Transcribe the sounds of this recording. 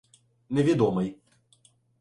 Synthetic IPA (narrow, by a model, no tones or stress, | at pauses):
nʲɛvʲɛd̪ɔmɨj